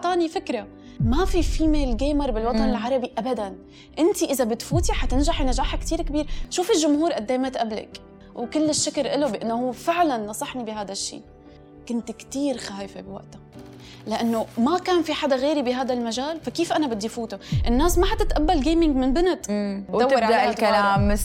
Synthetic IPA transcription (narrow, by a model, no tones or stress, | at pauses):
t̪ˤɑːnifɪkɾˤa | mafifiːmelɡeːmɑɾˤbɪlwɑt̪ˤɑnɪlʕɑɾˤɑbiʔabad̪an | ʔɪnt̪iʔɪzabɪt̪fuːt̪iħat̪ɪnʒaħjnaʒaːħakt̪iːɾkbiːɾʃuːfɪlʒʊmhuːɾʔad̪ːeːmat̪ʔabla̰k | wkɪlːɪʃːɪkɪɾʔɪlobɪʔanːohuːfɪʕlanːɑsˤɑħnibɪɦaːd̪aʃːḭː | kʊnt̪kt̪iːɾxaːjfebɪwa̰ʔt̪ḁ | lɪʔanːomakaːnfiħad̪aɣeːɾibɪɦaːd̪almaʒaːlfakiːfʔanabɪd̪ːifuːt̪oʔɪnːaːsmaħat̪ɪt̪ʔabːalɡeːmɪŋɡmɪnbɪnat̪ːw̪awːaʔɪlalaːmː